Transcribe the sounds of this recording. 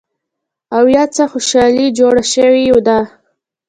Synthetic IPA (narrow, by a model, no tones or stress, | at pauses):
awjɑt͡saxʊʃɑlid͡ʒoɽaʃəwiod̪ɑ